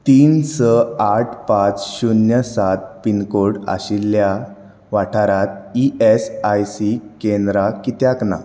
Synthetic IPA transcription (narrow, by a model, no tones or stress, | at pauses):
t̪iːnsəaʈʰpãt͡sɕunjəsat̪̚pinkoɽa̰ɕilːja | ʋaʈʰaɾat̪̚iʔesajsikend̪ɾakit̪jakna̰